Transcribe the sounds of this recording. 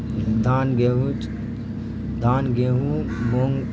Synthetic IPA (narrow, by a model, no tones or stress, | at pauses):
d̪ʱaːnɡeɦut͡ʃ | d̪ʱaːnɡeɦumoŋɡ